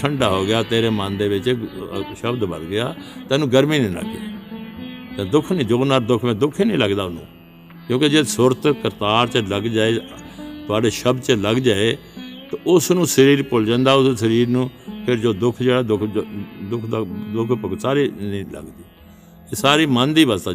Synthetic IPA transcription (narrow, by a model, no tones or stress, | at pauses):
ʈʰəɳɖaːɦoːɡɪjaːt̪eːɾeːmãːnd̪eːʋɪt͡ʃːʃəbd̪bə̰d̪ɡɪjaːt̪ɛ̃ːnũːɡəɾmiːnĩːnə̰kḛː | t̪ɛ̃ːd̪ʊkʰnĩːd͡ʒoːnaːɾd̪ʊkʰmɛ̃ːd̪ʊkʰːiːnĩːləɡd̪aːʊnṵ̃ː | kjõːked͡ʒeːsʊɾt̪kəɾt̪aːɾt͡ʃələɡd͡ʒaːeːt̪ʊaːɖeːʃəbd̪t͡ʃələɡd͡ʒaːeː | t̪eʊsnũːsəɾiːɾpʊld͡ʒãːnd̪aːʊssəɾiːɾnũːpʰɪɾd͡ʒoːd̪ʊkʰd͡ʒeːɽaːd̪ʊkʰd̪ʊkʰd̪ad̪ʊkʰpək̪saːɾiːnĩːlə̰ɡd̪iː | eːsaːɾiːmə̃nd̪iːbəst̪aː